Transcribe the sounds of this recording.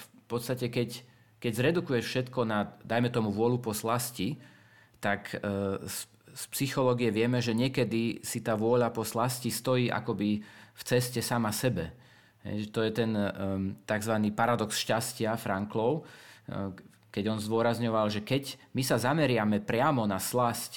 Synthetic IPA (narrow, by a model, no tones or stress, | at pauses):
fpɔt̪st̪acɛkɛc | kɛɟzɾɛd̪ukujɛfʃɛt̪kɔnad̪ajmɛt̪ɔmuʋʊɔʎupɔslasci | t̪aks | spsixɔlɔːɡijɛʋɪɛmɛʒɛɲɪɛkɛd̪isit̪aːʋʊɔʎapɔslascist̪ɔjiːʔa̰kɔbift͡sɛscɛsamasɛbɛ | ɦɛ̰jʒɛt̪ɔjɛt̪ɛnt̪aɡzʋaniːpaɾad̪ɔksʃcascɪafɾaŋklɔʊ | kɛɟɔnzd̪ʊɔɾazɲɔʋalʒɛkɛɟmisazamɛɾɪamɛpɾɪamɔnaslasc